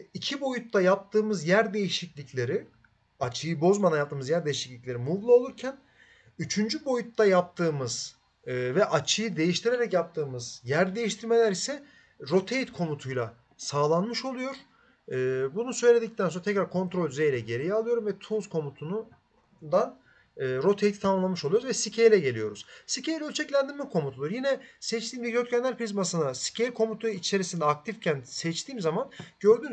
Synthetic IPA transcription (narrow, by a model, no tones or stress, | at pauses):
icʰibo̞jut̪ːajap̚t̪ʰɯːmɯzjæɾd̪e̞jiʃicʲlʲiclʲe̞ɾi | at͡ʃʰɯjɯbo̞zmanajap̚t̪ʰːɯːmɯzjæɾd̪e̞jiʃiclʲicʲlʲe̞ɾimuvlˠao̞lˠuɾcʰæn | yt͡ʃʰynd͡ʒybo̞jut̪ːajap̚t̪ʰɯːmɯz̥ | vɛʔat͡ʃʰɯjɯd̪e̞jiʃt̪ʰiɾe̞ɾɛcjap̚t̪ʰɯːmɯzjæɾd̪e̞jiʃt̪ʰiɾme̞lʲæɾisɛ | ɾo̞t̪ʰe̞jit̪kʰo̞mut̪ʰujlˠa | saːlˠanmɯʃo̞lˠujo̞ɾ̥ | ɯːbunusø̞jlʲe̞d̪ict̪ænsoɾat̪ʰɛcɾaɾkʰo̞nt̪ɾolʲd̪yze̞jlʲɛɟe̞ɾijɛalˠɯjo̞ɾumvɛt̪ʰuzkʰo̞mut̪ʰun | d̪an | ɯːɾo̞t̪ʰejit̪ʰit̪ʰamamlˠanmɯʃolˠujouzvɛsicʰejlʲɛɟe̞lʲijo̞ɾuz̥sicʰejlʲɛølʲt͡ʃʰɛclʲænd̪iɾmɛkʰo̞mut̪ʰulˠuɾjinɛsɛt͡ʃt̪ʰiːmbiɟøt̪cʰænlʲæɾpɾizmasɯnasi̥cʰejikʰo̞mut̪ʰuit͡ʃʰe̞ɾisind̪ɛak̚t̪ʰifcʰænsɛt͡ʃt̪ʰiːmzamanɟø̞ɾd̪yn